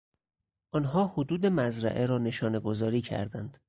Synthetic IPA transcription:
ʔɒːnɦɒːhod̪uːd̪e̞mæzɾæ̰ʔeɾɒːne̞ʃɒːne̞ɡo̞zɒːɾiːcʰæ̰ɾd̪ænd̪̥

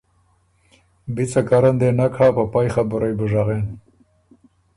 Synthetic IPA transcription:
bit͡sakaɾand̪enakʰaːpapajxabuɾajbəʐaɣen

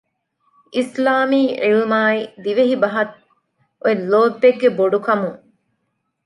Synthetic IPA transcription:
ʔislaːmiːʕilmaːid̪iʋeɦibɐɦɐt̪̚ | oelːoːbːeɡːeboɖukɐmuŋ

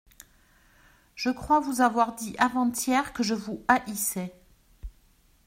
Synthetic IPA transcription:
ʒ̥əkχwavuzavwaʁd̪iʔavɑ̃t̪jɛʁkəʒəvuaʔisɛ

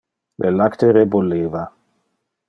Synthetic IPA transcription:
lʔelakt̪eɾeboleːva

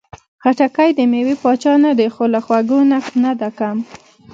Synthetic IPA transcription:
xaʈakajd̪əmewipɑt͡ʃɑnad̪exolaxwaɡonanad̪akam

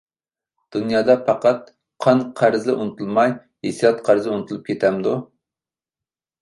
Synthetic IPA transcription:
d̪̥unjɑːd̪ɑpʰɑqɑt̪̚ | qʰɑnqʰæɾzd̪ɛʔunɨt̪ulˠmɑj | hesijɑt̪qʰæɾzɛunɨt̪ʰulˠup̚kʲet̪ʰɛmd̪u

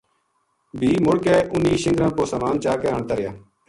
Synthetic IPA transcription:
bʱiːmʊɽkeːʔʊniːʃɪ̃ŋɡɾãːpoːsaːmaːnt͡ʃaːkeːəɳt̪aːɾɪjaː

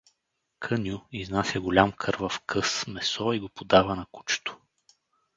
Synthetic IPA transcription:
kʰənʲjuiznasʲɐɡʊlʲamkʰɤɾvɐfkʰɤsmɛsɔiɡopod̪avənɐku̥t͡ʃt̪ʊ̥

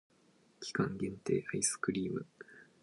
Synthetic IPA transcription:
kʲi̥kãŋɡʲẽ̞nt̪e̞̰ːʔaisɨ̥kɯ̟ɾʲiːmɯ̟

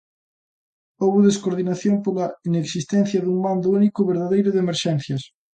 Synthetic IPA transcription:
owβuðeskoɾð̞inaθjompolaineksist̪en̟θjaðuŋmand̪ounikoβeɾðaðejɾoðemeɾʃɛnθjas

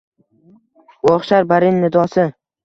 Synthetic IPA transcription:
wɒχʃaɾbaɾɪnːɪd̪ɒsɪ

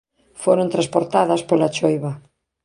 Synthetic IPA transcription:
foɾõnt̪ɾaspoɾt̪aðɐspolat͡ʃojβa

